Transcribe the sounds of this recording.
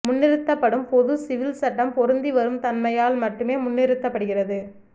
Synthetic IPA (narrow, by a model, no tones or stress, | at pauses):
mʊnːɪɾɯt̪ːɐpːɐɽɯmpɔðɯsɪʋɪlsɐʈːɐmpɔɾɯnd̪iʋɐɾɯmt̪ɐnmɐjaːlmɐʈːɯmeːmʊnːɪɾɯt̪ːɐpːɐɽɯɣɪrɐðɯ